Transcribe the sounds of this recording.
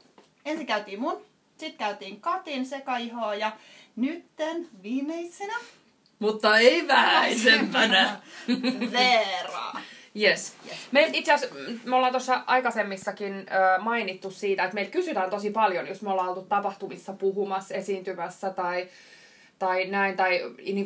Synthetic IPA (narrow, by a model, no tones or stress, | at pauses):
ensiŋkæyt̪iːmmun | sit̪kæyt̪iːŋkɑt̪insekɑiɦoːjɑ | nyt̪ːenʋiːmeisenæ | mut̪ːɑeiʋæhæisempænæ | ʋerɑ̰ːjesmeilt̪it̪seæsmolːɑːnt̪osːɑʔɑikɑsemːisːɑkinøːmɑinit̪ːussiːt̪æet̪meil̚kysyt̪ænt̪osipɑljonjosmolːɑːolt̪ut̪t̪ːɑpɑht̪umisːɑpuɦumɑsesiːnt̪ymæsːæt̪ɑi | t̪ɑinæint̪ɑiniːŋk